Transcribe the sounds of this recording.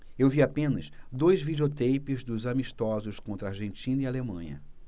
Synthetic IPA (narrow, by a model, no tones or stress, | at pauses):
ewviapẽnɐsd̪ojzvid͡ʒiot̪ejpɪzd̪ʊzamiʃt̪ɔzʊskõnt̪ɾɐaɾʒẽnt͡ʃĩnɐialemɐ̰̃ɲɐ̰